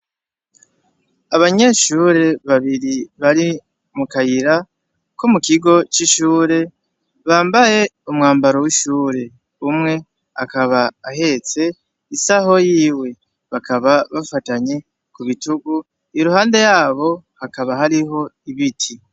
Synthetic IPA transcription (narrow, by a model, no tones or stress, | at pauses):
aβaɲe̞ʃuːɾe̞βaβiɾiβaɾi | mukajiɾa | komukiɡo̞t͡ʃiʃuːɾe̞ | βaːmbaje̞umŋaːmbaɾo̞wiʃuːɾe̞ | umŋe̞ | akaβaːɦe̞t͡se̞ | isaɦo̞jiːwe̞ | βakʰaβaβafataɲe̞ | kuβituɡu | iɾuhaːnde̞jaːβo̞hakaβaɦaɾiɦo̞iβitʰi